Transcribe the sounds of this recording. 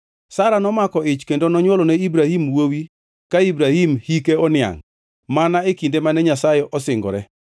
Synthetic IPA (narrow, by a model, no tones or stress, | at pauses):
saɾanɔmakɔɪt͡ʃkendonɔɲwɔlɔnɛibɾahimwowi | kaibɾahimhikeɔnɪa̰ŋ | manaekindemanɛɲasajɛʔɔsɪŋɡɔ̰ɾɛ